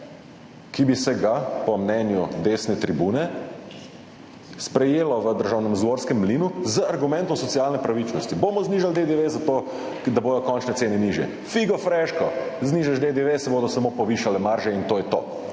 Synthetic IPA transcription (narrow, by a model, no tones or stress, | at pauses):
kibisɛɡapɔmnɛnjud̪esnɛt̪ɾibuːnɛ | spɾɛjeːlɔʋəd̪əɾʒaːwnɛmzɡʋoɾskɛmːlinuzəaɾɡumɛnt̪ɔmsɔt̪sialnɛpɾaʋit͡ʃnɔst̪iboːmɔzniʒald̪ed̪eʋezat̪o | d̪aboːd̪ɔkɔnt͡ʃnɛtseːnɛniːʒjɛ̰ | fiɡɔfɾɛʃkɔzniːʒaʃd̪ed̪eʋesɛboːd̪ɔsamopɔʋiʃalɛmaɾʒɛint̪oːjɛt̪o̰ː